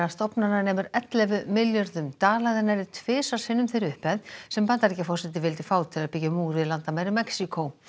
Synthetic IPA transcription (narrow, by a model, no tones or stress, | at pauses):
ast̪ɔpnananɛːmʏɾɛt̪lɛvʏmɪljœɾðʏmt̪aːlaðɛnːaɾɪt̪ʰvɪːsasɪnːʏmθejɾʏhpɛðsɛmpant̪aɾɛcafɔr̥sɛt̪̬ɪvɪlt̪ɪfaːwt̪ʰɪlaðpɪcamuːɾɪðlant̪amajɾɪmɛksikʰow